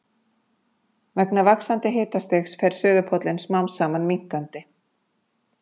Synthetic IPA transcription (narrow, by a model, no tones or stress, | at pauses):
vɛknavaksant̪ɪɦeːt̪ast̪exsfɛɾ̥sʏːðʏpʰɔt̪lɪnsmawnsːaːmanmiŋ̥k̪ant̪ɪ